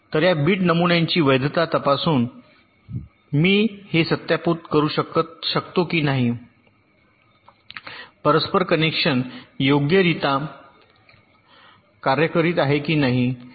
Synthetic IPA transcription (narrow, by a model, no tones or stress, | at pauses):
t̪əɾjabiːʈnəmuɳjaɲt͡ɕiːʋəjd̪t̪at̪əpasuːn | miːhesət̪japut̪kəɾuːɕəkət̪ɕəkt̪okiːnaɦi | pəɾəspəɾkənekʂənjoɡjəɾit̪a | kaɾjəkəɾiːt̪aɦekiːnaɦi